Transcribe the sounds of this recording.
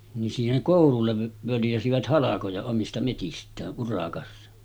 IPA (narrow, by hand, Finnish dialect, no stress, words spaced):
nin siːheŋ koˑululːeʋ ʋøljæsiʋæt hɑlɑkojɑ omistɑ metistˑæːʔ ʔurɑkɑsːɑ